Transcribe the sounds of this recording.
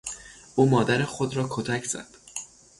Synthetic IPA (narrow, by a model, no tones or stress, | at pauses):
ʔuːmɒːd̪æɾexod̪ɾɒːkʰot̪ʰæcʰz̥æ̰d̪̥